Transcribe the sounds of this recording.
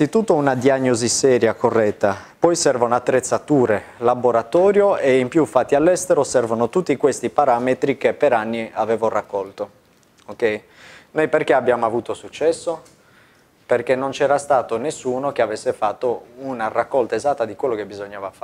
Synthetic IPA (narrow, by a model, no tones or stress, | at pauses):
it̪ut̪ːounad̪iaɲːozisɛːɾjakorːɛt̪ːapɔjsɛrvaunoat̪ːɾet̪sːat̪uːɾelaboɾat̪ɔːɾjoeimpjufːat̪ːialːɛst̪eɾosɛrvonot̪ut̪ːikwest̪ipaɾaːmet̪ɾik̟epːeɾanːiaveːvorakːɔlt̪o | okɛj | nojperkeabjaːmoavuːt̪osut͡ʃːɛsːo | perkenːont͡ʃɛːɾast̪aːt̪onesːuːnokeavesːefat̪ːounarakːɔlt̪aezat̪ːad̪ikwelːokebizoɲːaːvafa